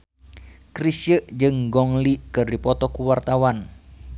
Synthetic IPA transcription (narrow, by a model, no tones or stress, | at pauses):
krisəʔd͡ʒɨŋɡɔŋlikɨrdipɔt̪ɔkuwart̪awan